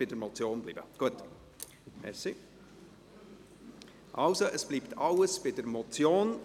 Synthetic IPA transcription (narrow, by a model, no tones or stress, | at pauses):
b̥ɪdəɾmɔt͡sjoːnblḭbə̰ɡ̥uət | mɛ̰si | ʔɑlsoʔəsb̥liːptʰɑləsb̥ɪdəɾmɔt͡sjoːn